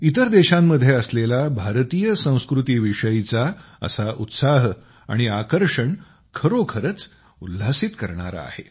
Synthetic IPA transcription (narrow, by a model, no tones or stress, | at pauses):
it̪əɾd̪eɕamːəd̪ʱːjeəslelabʱaɾt̪ijəsə̃w̃skɾut̪iːʋiʂəjit͡sa | ə̰saʔut̪saɦ | a̰ɽ̃iakəɾʂəɳ | kʰəɾokʰəɾət͡s | ulːasit̪kəɾɳa̰ɾa̰ːhe